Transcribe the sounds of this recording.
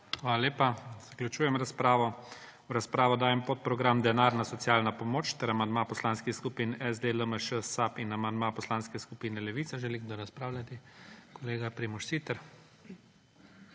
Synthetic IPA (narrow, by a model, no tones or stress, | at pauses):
xʋaːlalʲeːpaz̥aklʲut͡ʃuːjɛmɾaspɾaːʋɔ | wɾaspɾaːʋɔd̪aːjɛmpot̪̚pɾɔɡɾamd̪ɛnaɾnasɔt̪sjaːlnapɔmoːt͡ʃt̪ɛɾamand̪mapɔslaːnskixskupinɛzd̪eləməʃəsapinamand̪mapɔslaːnskɛskupiːnɛlɛʋiːtsaʒɛliɣd̪ɔɾaspɾaːwlʲjat̪ikɔleːɡapɾimɔʃsit̪ɛɾ